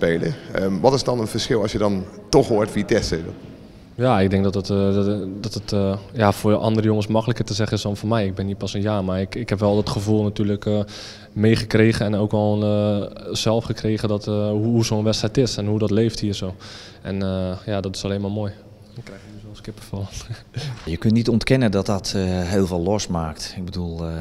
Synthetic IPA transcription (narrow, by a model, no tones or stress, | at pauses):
peːlə̰əʋɔtɪsdɔnənfəɹsxɪlˠɑsjədɔntɔxɦotfiətɛste | jaɪɡ̚dɛŋk̚dɔtətdɔtətjafoːʔɑ̰ndəɾəjʊŋənsmɑkələkətəzɛχənɪsdɔnfoːmɛjɪɡ̚bɪnipɑsənjaːmarɪkɪkhɛpʋɛlˠdɔtχəvulˠnatyːələkə | mejχəkreːɣəɛnowkʋɔlnəzɛlˠfχəkreːɣədɔtɦuhusoːnʋɛstɛjtɪsɛnɦudɔtleːfthiːsoː | ʔɛ̰nəjadɔtɪ̥saleːnmaːmoːj | dɔnkrɛjxjəysoskɪpəfɔlˠ | jəkøntnitɔntkɛnədɔt̚dɔtɦeːlˠvɪlˠɔsmaːktɪɡ̚bədulˠ